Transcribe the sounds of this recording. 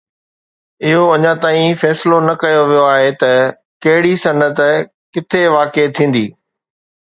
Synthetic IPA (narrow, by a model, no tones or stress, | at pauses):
ɪɦoɐɲãt̪aːĩfɛːsɪlonɐkɐjoʋijoaːɦet̪ɐ | kɐɦɪɽisɐnət̪ | kɪt̪ʰeʋaːket̪ʰĩːn̆d̪iː